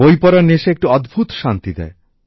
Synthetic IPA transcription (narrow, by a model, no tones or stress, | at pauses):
ojpɔɾaneʃeek̚ʈiɔd̪bʱut̪ʃant̪id̪ɛ̰e